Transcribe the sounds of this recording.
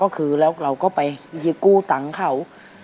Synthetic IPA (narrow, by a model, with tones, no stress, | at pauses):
kɔː˥˩kʰɯː˧lɛː˦˥wɾa˧wkɔː˥˩pa˧jjɯː˦˥kuː˥˩t̪a˨˩˦ŋkʰa˦˩w